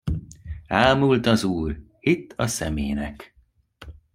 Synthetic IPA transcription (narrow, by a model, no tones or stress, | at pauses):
aːlmult̪ɒzuːr | it̪ʰːɒsɛmḛːnɛk